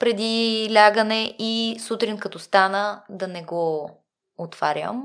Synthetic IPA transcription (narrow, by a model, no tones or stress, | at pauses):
pɾɛd̪ilʲaɡənɛʔisut̪ɾinkɐt̪ɔst̪anəd̪ɐnɛɡo | ot̪v̥aɾʲjə̰m